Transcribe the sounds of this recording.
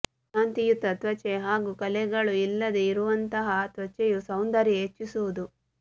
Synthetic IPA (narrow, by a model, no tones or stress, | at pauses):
naːnt̪ijut̪ːɐt̪ʋɐt͡ʃeɦaːɡuːkɐlɛɡɐɭuilːɐd̪eiɾuʋɐnt̪ɐɦɐt̪ʋɐt͡ʃejusɐwnd̪ɐɾiɦet͡ʃːisuʋud̪u